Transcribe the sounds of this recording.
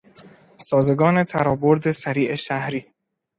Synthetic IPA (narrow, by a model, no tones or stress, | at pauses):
sɒːze̞ɡɒːne̞t̪ʰæɾɒːboɾd̪e̞sæɾiːʔeʃæhɾiː